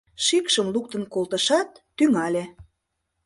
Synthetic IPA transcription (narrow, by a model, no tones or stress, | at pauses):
ʃikʃəmluk̚t̪ə̆nkolˠt̪ə̆ʃɑt̪ːyŋɑlʲe